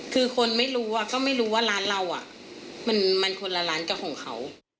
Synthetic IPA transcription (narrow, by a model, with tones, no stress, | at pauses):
kʰɯː˧kʰo˧nma˥˩jɾuː˦˥wa˧˩kɔː˥˩ma˥˩jɾuː˦˥waː˥˩laː˦˥nla˧wʔa̰˨˩ʔ | ma˧nma˧nkʰo˧nla˧laː˦˥nka˧˩wkʰɔː˩˦ŋkʰa˦˥w